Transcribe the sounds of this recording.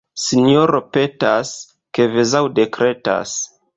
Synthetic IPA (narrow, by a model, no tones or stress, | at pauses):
sinioɾo̞pe̞tas | ke̞vezawde̞kɾe̞ta̰s